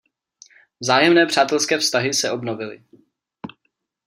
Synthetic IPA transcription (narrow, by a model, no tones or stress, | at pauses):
vzaːjɛmnɛːpr̝̥aːt̪ɛlskɛːfst̪aɦɪsɛʔo̞bnovɪlɪ̰